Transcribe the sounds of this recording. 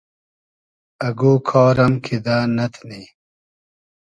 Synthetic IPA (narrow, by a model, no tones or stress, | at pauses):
ɐɡoːkʰɔːɾɐmkʰid̪aːnɐt̪ʰni